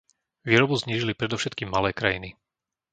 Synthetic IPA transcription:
ʋiːɾɔbuzɲiːʒilipɾɛd̪ɔʊʃɛt̪kiːmːalɛːkɾajini

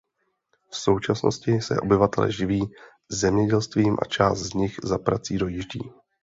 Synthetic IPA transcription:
fso̞wt͡ʃasno̞̰scɪsɛ̰ʔo̞bɪvat̪ɛlɛ̰ʒɪviː | zzɛmɲɛɟɛlst̪viːmʔa̰t͡ʃaːst̪zɲɪxzapɾat͡siːdo̞jɪʒɟḭː

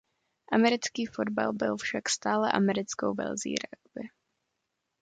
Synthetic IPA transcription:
ʔamɛɾɪt͡skiːfo̞d̚ba̰lbɪlfʃakst̪aːlɛ̰ʔamɛɾɪt͡sko̰wvɛ̰lzḭːɾaɡbɪ

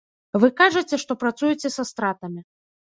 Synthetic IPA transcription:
vɨkaʐɐt͡sʲɛʂt̪ɔpɾat̪sujut͡sʲɛsast̪ɾat̪ɐmʲi

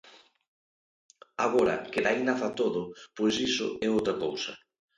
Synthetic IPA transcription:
aɣoɾɐ̰keðainaθat̪oðʊpwojsisʊ̰ɛowt̪ɾakowsɐ

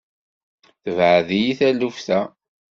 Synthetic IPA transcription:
θəvʕəðijiθælufθæ

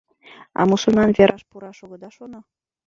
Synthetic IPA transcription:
ɑ̰musɤnɑnvʲeɾʔɑʃpuɾɑʃoɣɤ̆d̪ɑʃono

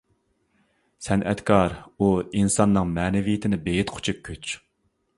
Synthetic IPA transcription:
sɛnɛ̰t̪kʰɑɾuinsɑnːɨŋmɛːnɪvijɪt̪ʰɪnɪbejit̪qʰʊ̥t͡ʃʰuk̚kʲʰːøt͡ʃ

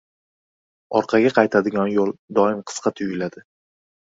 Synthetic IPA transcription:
ɒ̰ɾqʰɑɡʲaqʰɑjt̪ʰad̪ɪɡʲɒnjolˠd̪ɒɪmqʰɨ̥sqʰɑt̪ʰʊlad̪ɪ

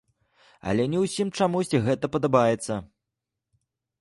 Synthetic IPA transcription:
ɐ̰lʲɛnʲɛwsʲimt͡ʂamusʲt͡sʲiɣɛt̪ɐpɐd̪abajɛt̪sːɐ

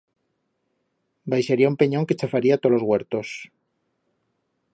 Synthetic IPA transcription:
bajʃaɾiaumpe̞ɲo̞ŋke̞t͡ʃafaɾiat̪o̞lo̞zɣwe̞ɾt̪o̞s

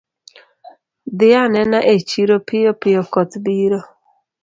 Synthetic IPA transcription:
d̪ɪanɛnaʔet͡ʃiɾopɪjopɪjokɔt̪biɾo

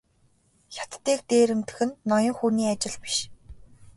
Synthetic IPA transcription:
xʲḁt̪ːeːk̚t̪eːɾɘ̆mt̪ɘ̥̆xɘ̆nːɔjɞ̆ŋxuːniːat͡ɕɪ̆ɮpi̥ʃ

